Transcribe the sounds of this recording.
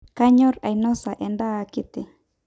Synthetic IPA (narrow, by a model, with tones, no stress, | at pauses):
ka˦ɲɔ˦ɾa˨inɔ˦sa˨ʔɛ˨ndaː˦˨ki˦t̪e˨